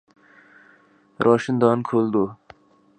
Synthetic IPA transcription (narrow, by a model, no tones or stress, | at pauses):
ɾʔɔːʃɪnd̪ɑːnkʰold̪o